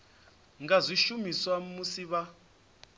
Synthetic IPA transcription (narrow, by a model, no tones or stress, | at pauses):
ŋɡazʷiʃumiswamusiβa